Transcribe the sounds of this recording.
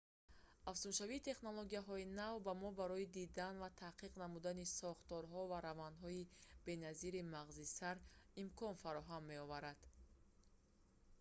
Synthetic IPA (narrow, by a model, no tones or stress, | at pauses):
afsunʃaviːt̪ʰe̞χnolˠoɡiaɦɔinavbamɔbaɾɔid̪id̪anvat̪ʰaqʰiqnamud̪anisɔχt̪ɔɾɦɔvaɾavand̪ɦɔib̥e̞naziɾimaʁzisaɾimkʰɔnfaɾɔɦamːe̞ɔvaɾad̪̥